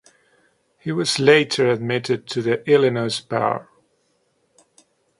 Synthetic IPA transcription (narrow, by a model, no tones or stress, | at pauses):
hiwʌzleɪɾə˞ɨd̚mɪɾɨd̚tʰɨðiʔɪlˠɨnoʊzba̰ʊə̰˞